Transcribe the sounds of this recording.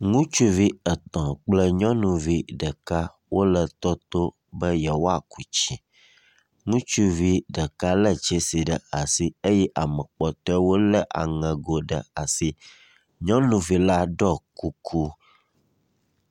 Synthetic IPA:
ŋũ˦t͡ʃu˦vi˦ə˨t̪ɔ̃˨k͡plə˦ɲɔ̃˦nũ˨vi˦ɖə˨ka˦ | wʔo˦lə˨t̪ɔ˦t̪o˦ | bə˦jɛ˨wo˦a˨ku˨t͡ɕi˨ | ŋũ˦t͡ʃu˦vi˦ɖə˨ka˦lə˦t͡ʃɛ˦si˨ɖə˨a˨si˦e˦jɛ˦ʔa˨mə̃˨k͡pɔ˨t̪ɔ˦ɛ˦wo˦lə˦ʔa̰˨ŋɛ̃˨ɡo˨ɖə̰˨a˨si˦ | ɲɔ̃˦nũ˨vi˨la˦ɖɔ˦ku˦kʰu˦

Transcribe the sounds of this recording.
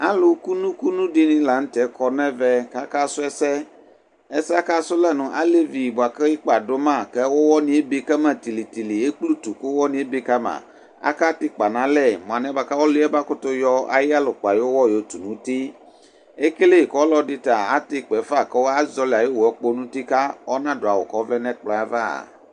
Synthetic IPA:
a˦lʊ˨ku˦nũ˦ku˦nũ˦ɖi˦nĩ˦la˨ŋ̩̃˦t̪ɛ˨˦kɔ˨nɛ̃˦vɛ˦ka˦ka˦sʊ˦ɛ˦sɛ˦ | e˦si˦a˦ka˦sʊ˦lɛ˦˨nũ˨ʔa̰˦le˦vi˨bʊ˨a˨kɛ˦i˦k͡pa˨do˦mã˦˨kɛ˦wo˦wɔ˦nĩ˦e˦bi˦kɛ˦mɛ̃˦t̪i˨li˨t̪i˨li˨e˦k͡plu˦t̪u˨kʊ˦wɔ˦nĩ˦e˦bi˦ka˦mã̰˨ | a̰˦ka˦t̪i˦k͡pa˨nã˦lɛ˦˨mɔ̃˨ã˨nɛ̃˦ba˨ka˦wo˦lu˦ɛ˦ba˦kʊ˦t̪o˦jɔ˦a̰˨ji˦a˦lo˨k͡pa˨jwo˦wɔ˦jo˨˦t̪u˨nũ˦t̪i˦ | e˦ke˦le˦˨kɔ˦lɔ˦ɖi˦t̪a˨a˦t̪e˦k͡pɛ˨fa˦˨kɛ˦wo˦a˦zɔ˦la˨je˦wo˨ɛ˦k͡po˦nũ˦t̪i˦ka˦ɔ˦nã˦ɖo˨a˨wo̰˨kɔ˦vlɛ˦nɛ̃˦k͡plɔ̃˨a˨va̰˦˨

